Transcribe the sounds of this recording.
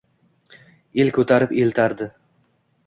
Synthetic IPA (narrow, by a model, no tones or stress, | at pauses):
elkʰɵt̪ʰaɾɪpelt̪ʰaɾd̪ɪ